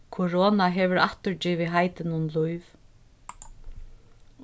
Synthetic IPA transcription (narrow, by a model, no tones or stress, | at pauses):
kʰʊɾɔːnaɦɛʋʏɾa̰ht̪ʏɹd͡ʒiːvɪɦajt̪ɪnʊnlujv